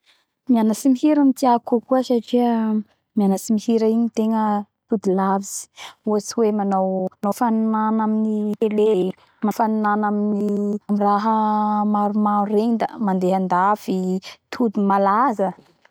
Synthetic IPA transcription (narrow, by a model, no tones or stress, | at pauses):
mianəsimiɦiɾamit̪iakakuəsaʈ͡ʂiə | mianəsimihiɾaiɲit̪eŋə | t̪ud̪ulavizi̥uat͡siwemanownofanunanaminiele | mafanunanaminiamiraɦəmaɾumaɾend̪əmand̪eɦand̪avit̪ʰud̪umalazə